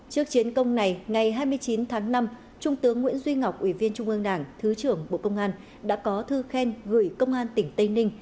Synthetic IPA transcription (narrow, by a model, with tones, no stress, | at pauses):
t͡ɕɨ˦˥ək̚t͡ɕi˨˦ənkə˧wŋ͡mna˨˩jŋa˨˩jɦaː˧jmɨ˧əjt͡ɕi˨˦nt̪ʰaː˨˦ŋna˧m | t͡ɕʊ˧ŋ͡mt̪ɨ˨˦əŋːwḭ˧˥ənzwi˧ŋa˨˩wk͡p̚ʔwi˧˩vi˧ənt͡ɕʊ˧ŋ͡mʔɨ˧ŋɗaː˧˩ŋt̪ʰɨ˨˦t͡ɕɨ˧˩əŋɓo̰˧˨kə˧wŋ͡mʔaː˧n | ɗa̰ː˧˥kɔ˨˦t̪ʰɨ˧xɛ˧nɣɨ˧˩jkə˧wŋ͡mʔaː˧nt̪ï˧˩ŋ̟t̪ə˧jnï˧ŋ̟